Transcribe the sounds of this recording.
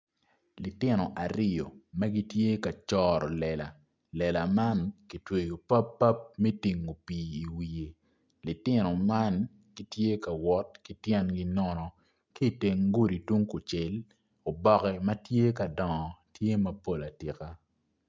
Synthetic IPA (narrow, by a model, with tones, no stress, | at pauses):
li˨tɪ˦nɔ˨ʔa˨ɾɪ˦jo˨mɐ˦ɡi˦tje˦ka˨t͡ʃɔ˦ɾɔ˨lɛ˨la˨ | lɛ˨la˨ma˦nki˨˦twe˨ɡo˨pa˦pːa˦p̚mɛ˦ti˨ŋo˨piː˨i˨wi˨je˨ | lɪ˨tɪ˦nɔ˨ma˦n | ɡ̥i˨tje˦ka˨wɔ˦tki˦tjɛ˦nɡi˦nɔ˦nɔ˨ | ki˦˨te˨ŋɡu˦ɾi˨tu˦ŋku˨t͡ʃe˨l | o˨bɔ˦˨kɛ˨mɐ˦tje˦kɐ˨dɔ˨ŋɔ˨tje˦mɐ˦po˦la˨ti˨ka˦